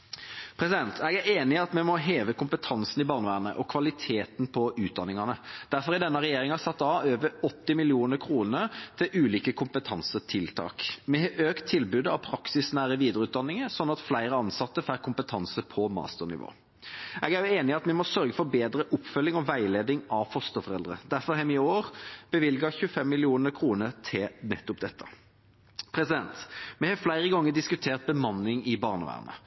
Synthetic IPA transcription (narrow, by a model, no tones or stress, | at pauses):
pʰɾɛsɪd̪ɛnt̪ʰɛɡæɾeːnɪɑt̪mɛmɔɦeːʋəkʊmpət̪ʰɑnsn̩ɪbɑːʁnʋæːʁnə̰ʔɔkʰʋɑlɪt̪ʰeːt̪n̩pʰɔʔʉːt̪̚d̪ɑnːɪŋɑnəd̪̥æɾfɔɾɪd̪ɛnːəʁɛjeːɾɪŋɑsɑt̪ːɑøːʋəɔt̪ːɪmɪlɪuːnəɾkʰɾuːnəət̪ʰɪlʔʉːliːkəkʰʊmpət̪ʰɑnsət̪ʰɪlt̪ʰɑ̰ːkmɛʔøːkt̪ʰːɪlbʉːd̪əɑʋpʰɾɑksɪsnæːɾəʋiːd̪əɾəʉːt̪d̪ɑnːɪŋəsɔnːɑt̪flæɪɾəɑnsɑt̪ːəfæɾkʰʊmpət̪ʰɑnsəpʰɔmɑ̰ːst̪əʁnɪ̰ʋo̰ː | ɛɡæɾjʉeːnɪɑt̪mɛmɔsœɾɡəfɔɾbeːd̪ɾəʔʊpːfœlːɪŋɔʋæɪleːd̪ɪŋɑʋfɔst̪əfɔɾɛld̪ɾə̰d̪æɾfɔɾhɛmɪoːʁb̥əʋɪlɡɑçʉːəfɛmːɪlɪuːnəkʰʁuːnət̪ʰɪnɛt̪ːʊpd̪ɛt̪ːə | pʰɾɛsɪd̪ɛnt̪mɛhɑːflæɪʁəɡɑŋːəd̪ɪskʉt̪ʰeːʁt̪̚bəmɑnːɪŋɪbɑːʁnə̰ʋæ̰ːʁnə̰